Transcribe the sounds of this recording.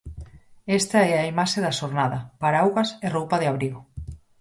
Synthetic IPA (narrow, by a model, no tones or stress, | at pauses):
est̪ɐɛɐimaʃeðɐʃoɾnaðɐpaɾawɣɐserowpɐðɪaβɾiɣʊ